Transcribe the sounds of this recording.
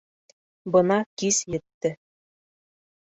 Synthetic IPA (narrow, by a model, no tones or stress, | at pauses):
bɤ̆nɑkisjɘ̆t̪ːɘ̆